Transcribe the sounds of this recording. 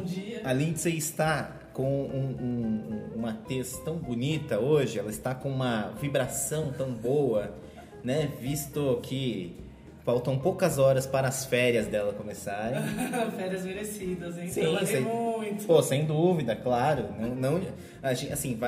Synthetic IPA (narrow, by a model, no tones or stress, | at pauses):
õd͡ʒiɐalĩkɪseɪst̪a | kõw̃ũũũmɐt̪est̪ɐ̃w̃bunit̪ɐoʒɪɛlɐɪst̪akõũmɐvibɾasɐ̃w̃t̪ɐ̃w̃bowɐ | nɛvist̪ʊkʰɪ | fawt̪ɐ̃w̃powkɐzɔɾɐspaɾɐːsfɛɾiɐzd̪ɛlɐkõmesaɾẽj̃fɛɾiɐzmeɾesid̪ɐzẽsĩsemuj̃t̪ʊ̥posẽj̃d̪uvid̪ɐklaɾʊnɐ̃w̃nɐ̃w̃ | aʒẽasĩva